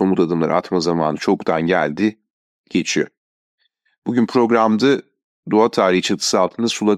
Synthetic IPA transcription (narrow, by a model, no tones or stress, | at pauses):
o̞mut̪ʰad̪ɯmlˠaɾʔɯ̰a̰t̪mazamaːnɯt͡ʃʰo̞kt̪ʰanɟælʲd̪ɪ | ɟ̥e̞t͡ʃʰijo̰ | b̥uɟynpʰɾo̞ɡɾamd̪a | d̪oat̪ʰaːɾijt͡ʃʰat̪ʰɯ̥sɯalˠt̪ʰɯnasulˠa